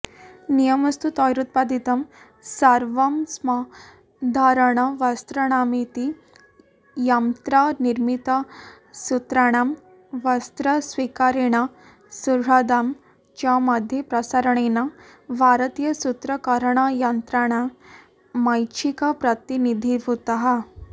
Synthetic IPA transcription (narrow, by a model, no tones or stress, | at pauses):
nijɐmɐst̪ut̪aːjɾut̪̚paːd̪it̪ɐm | sɐɾʋɐmsma | d̪ʱaːɾɐɳɐʋɐst̪ɾɐɳaːmit̪i | jɐmt̪ɾaːniɾmit̪ɐ | sut̪ɾaɳ̃aːm | ʋɐst̪ɾɐsʋikaːɾeɳɐ | suɾɦɐd̪aːm | t͡ʃaːmɐd̪ʱjepɾɐsɐɾɐɳenɐbʱaːɾɐt̪ijɐsut̪ɾɐkaɾɐɳajɐnt̪ɾaːɳɐ | mɐjt͡ʃʰikɐpɾɐt̪inid̪ʱiʋut̪ɐɦɐ